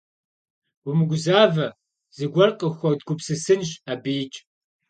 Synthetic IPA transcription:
ʊmɨɡʷʊzaːvɐ | zɨɡʷɐrqʼəxʷɔd̚ɡʷʊpsɨsɨnɕʼabeːt͡ʃʼ

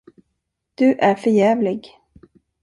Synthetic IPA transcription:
d̪̥ɵʔæɾfœɾjɛːvlɪɡ

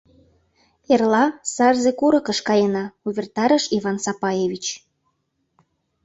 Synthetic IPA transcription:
erlɑsɑrzekuɾɤ̆kə̆ʃkɑjenɑuβʲert̪ɑɾəʃivɑnsɑpɑjeβʲit͡ɕ

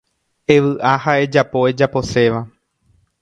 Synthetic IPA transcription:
e̞ʋɨʔahae̞d͡ʒapo̞e̞d͡ʒapo̞se̞ʋa

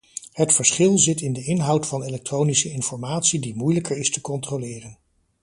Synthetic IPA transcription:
hətfəɹsχɪlˠzɪtɪndəɪnɦʌwtfɑnelɛk̚trownisəɪnfɔɹmaːtsidimujləkəɹɪstəkɔntrolɪːrən

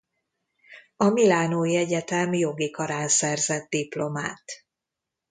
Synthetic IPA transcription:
ɒmilaːnoːjiɛɟɛt̪ɛmjo̞ɡikɒɾaːnsɛrzɛd̪̚d̪iplo̞ma̰ːt̪

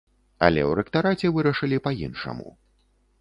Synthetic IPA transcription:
ɐ̰lʲɛ̰wɾɛkt̪aɾat͡sʲɛvɨɾɐʂɨlʲipajinʂɐ̰mṵ

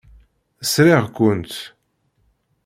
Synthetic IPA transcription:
əsɾɪʁkʷːʊnt̪

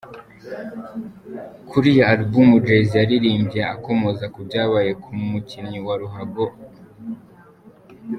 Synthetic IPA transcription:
kʰuɾijaaɾbumud͡ʒezijaɾiɾiːmbijaakomozakubɟaːβaje̞kʰumuciɲiwaɾuɦaɡo

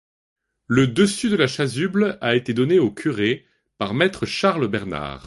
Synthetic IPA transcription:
ləd̪əsyd̪əlaʃazyblaet̪ed̪ɔneokʲʰyʁe | paʁmɛt̪χəʃaʁlbɛʁna̰ːʁ

